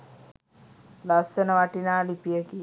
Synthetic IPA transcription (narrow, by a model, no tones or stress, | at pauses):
lasːənəʋaʈinaːlipijəki